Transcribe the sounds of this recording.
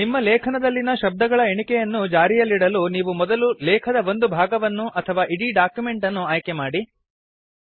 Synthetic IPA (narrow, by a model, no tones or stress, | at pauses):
nimːɐlɛːkʰɐnɐd̪ɐlːinɐʃɐb̚d̪ɐɡɐɭɐeɳikɛjɐnːud͡ʒaːɾijɐlːiɽɐluniːʋumɔd̪ɐlulɛːkʰɐd̪ɐʋo̞nd̪ubʱaːɡɐʋɐnːuʔɐt̪ʰɐʋaːʔiɽiɖaːkjume̞ɳʈɐnːuaːjkemaːɽi